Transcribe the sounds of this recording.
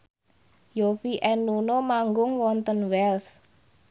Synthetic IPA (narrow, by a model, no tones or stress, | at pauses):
jofiʔɛnːunomaŋɡʊŋwɔnt̪ənwɛls